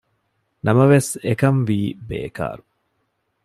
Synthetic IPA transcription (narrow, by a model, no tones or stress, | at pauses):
nɐmɐʋesekɐmʋiːbḛːka̰ːɾu